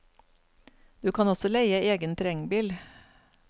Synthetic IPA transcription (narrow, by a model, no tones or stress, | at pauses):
d̪̥ʉːkʰɑnɔsɔlæɪəeːɡənt̪ʰɾɛŋbiːl